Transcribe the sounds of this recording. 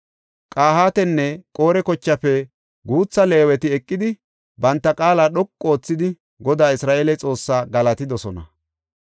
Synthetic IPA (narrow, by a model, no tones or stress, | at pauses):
kʼaːhaːt̪ɛnːɛkʼo̞ːɾɛkɔt͡ʃːɐfɛ | ɡuːt͡sːɐle̞ːwɛt̪ɪɛkʼːɪd̪ɪ | bɐnt̪ːɐkʼaːlaːɗɔkʼːo̞ːt͡sːɪd̪ɪ | ɡɔd̪aːɪsɾaːʔeːlɛt͡sʼo̞ːsːaːɡɐlɐt̪ɪd̪ɔsɔnɐ̰